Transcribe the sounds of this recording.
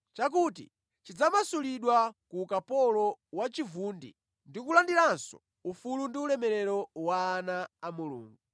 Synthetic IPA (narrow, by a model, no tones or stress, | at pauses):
t͡ʃak̬utḭ | t͡ʃid͡zamasuliɗwakukapɔlɔwat͡ʃivuːndḭ | ndikulandiɾansɔ̰ | ufulundiulɛmɛɾɛɾɔwaːnaːmulṵːŋɡu